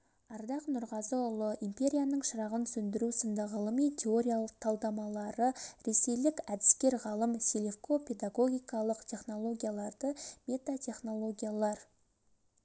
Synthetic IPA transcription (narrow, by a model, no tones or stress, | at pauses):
ɑɾd̪ɑqnʊɾʁɑzəʊlˠəʔimpʲe̞ɾʲijanəɴʃəɾɑʁənsɵnd̪ɪɾusənd̪ɑʁəlˠəmijt̪ʲʰe̞o̞ɾʲijalˠəq̚t̪ʰɑlˠd̪ɑmɑlˠɑɾəɾe̞se̞jlɪkæd̪ɪ̥skʲe̞ɾʁɑlˠəmselefko̞pʰe̞d̪aɡo̞ɡʲijkɑlˠəqt̪ʰʲe̞χno̞lˠo̞ɡʲijalˠɑɾd̪əmʲe̞t̪at̪ʲʰe̞χno̞lˠo̞ɡʲijalˠɑɾ